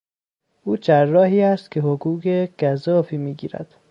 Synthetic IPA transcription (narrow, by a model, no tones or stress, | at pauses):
ʔuːt͡ʃʰærːɒːɦiːæst̪̚cʰeɦoɡuːɡeɡ̥æzɒːfiːmiːɟḭːɾæ̰d̪̥